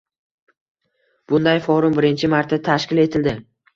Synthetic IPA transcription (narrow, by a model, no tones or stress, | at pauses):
b̥ʊnd̪ajfɒɾʊmbɪɾɪnt͡ʃʰɪmaɾt̪ʰːat̪ʰaʃkʲɪle̞t̪ʰɪld̪ɪ